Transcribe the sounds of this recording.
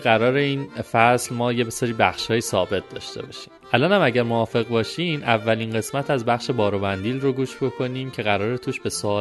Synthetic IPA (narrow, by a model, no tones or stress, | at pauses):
ɢæɾɒːɾe̞iːnfæslmɒːje̞besɒːɾiːbæxʃhɒːjiːsɒːbe̞t̪̚ʰd̪̥ɒ̰ːʃt̪e̞̰bɒ̰ːʃi̥ːmʔælɒːnhæmæɟæɾmoɒːfe̞ɣbɒːʃiːmʔævːælinɢe̞smæt̪ʰæzbæχʃe̞bɒːɾobænd̪iːlroɡuːʃbo̞kʰo̞niːmcʰe̞ɣæɾɒːɾet̪ʰuːʃbe̞so